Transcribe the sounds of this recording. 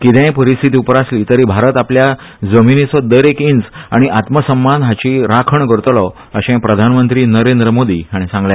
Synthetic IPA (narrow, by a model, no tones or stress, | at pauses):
kit̪ɛ̃jpəɾist̪ʰit̪iːupɾasliːt̪əɾibʱaɾət̪aplja | d͡zəminisɔd̪əɾekint͡saɽ̃iʔat̪məsəmbanɦat͡ɕiɾakʰəɳkəɾt̪lɔ | əɕɛ̃pɾəd̪ʱanmənt̪ɾiːnəɾend̪ɾəmod̪ḭːaɽ̃isãŋɡlja